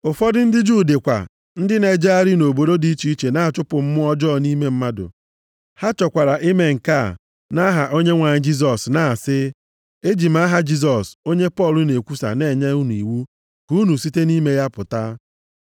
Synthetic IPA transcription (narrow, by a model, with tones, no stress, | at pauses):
ʊ˨fɔ˦dɪ˦n̩˦dɪ˦d͡ʒu˦˨de˨kʷa̰˨ | n̩˦dɪ˦ne˨d͡ʒa˦a˦ɾi˦no˨bo˨do˦di˦t͡ʃi˨˦i˦t͡ʃe˨na˦˨a˨t͡ʃʊ˦pʊ˨m̩˦mʊ˦ɔ˦d͡ʒɔ˦˨ni˦me˦m̩˦ma˦dʊ̰˨ | ha˦t͡ʃɔ˨kʷa˨ɾa˨ʔi˦me˦ŋ̩˨ka˦˨ | na˦ɦa˨ʔo˦ɲe˦ŋʷa˨ɲɪ˦d͡ʒi˦s̬ɔ˨sna˨sɪ˦ | e˦d͡ʒi˨m̩˦a˦ɦa˦d͡ʒi˦s̬ɔ˨so˦ɲe˦pɔ˦˨lʊ˦ne˨kʷu˦sa̰˨ne˦˨ɲa˦u˦nu˨i˨wu˦ | ku˦nu˨si˦te˦ni˦me˦ja˦pʊ˨ta̰˦